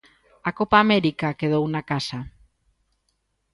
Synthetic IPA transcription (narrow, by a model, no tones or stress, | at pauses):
akopaːmɛɾikakeðownakasɐ